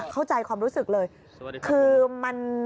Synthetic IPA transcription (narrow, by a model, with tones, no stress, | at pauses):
kʰa˥˩wt͡ɕa˧jkʰwaː˧mɾuː˦˥sɯ˨˩k̚lɤː˧j | kʰɯː˧ma˧n